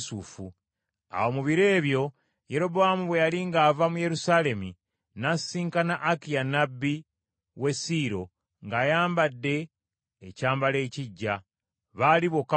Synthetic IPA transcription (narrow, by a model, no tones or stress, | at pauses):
sufu | a̰wo̞muβiɾe̞ːβjo̞ | je̞ɾo̞βoamuβwe̞jaliŋɡaːvamuje̞ɾusaːle̞mi | nasiːŋkanaʔːkijanabːi | we̞siɾo̞ | ŋɡaːjaːmbadːe̞ː | caːmbale̞ːciɟːa | βaliβo̞ka